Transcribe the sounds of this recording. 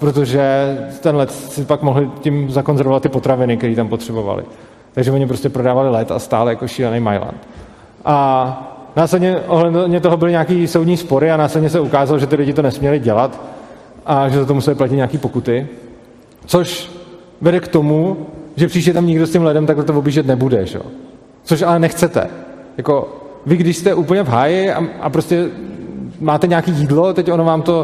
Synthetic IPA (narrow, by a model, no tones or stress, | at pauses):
pɾot̪̬oʒɛt̪ɛnlɛt̪sɪpakmo̞ɦlɪcɪmzako̞nzɛɾvovat̪ːɪpo̞t̪ɾavɪnɪk̚t̪ɛɾiːt̪ampot̪r̥ɛbo̞va̰lɪ̰ | t̪aɡʒɛvoɲɪpɾo̞scɛpɾo̞daːvalɪlɛt̪a̰st̪a̰ːljakoʃiːlɛnejma̰jla̰nt̪ | ʔa | naːslɛdɲɛʔo̞ɦlɛddɲɛt̪o̞ɦo̞bɪlɪɲaːkiːsowdɲiːspo̞ɾɪanaːslɛdɲɛs̬ɛukaːzaloʒɛt̪ɪlɪɟɪt̪onɛsmɲɛlɪɟɛlat̪ | ʔaʒɛt̪ot̪̬omusɛbɪplaciɲaːkiːpo̞kut̪ɪ | t͡soʃ | vɛdɛkt̪o̞muʒɛpr̥iːʃɛt̪amɲɪɡdoscɛmlɪdɛmt̪aklɛt̪ovobiːʒɛt̪nɛbudɛ̰ʒɛ̰o̰ | t͡soʃalɛnɛxt͡sɛt̪ɛ̰ | jako̞ | vɪɡdɪʃst̪ɛʔuːpl̩ɲɛvɦaːjɪa̰ʔa̰pɾoscɛ | maːt̪ɛɲaːkiːjiːdlo̞t̪ɛco̞novaːmt̪o̞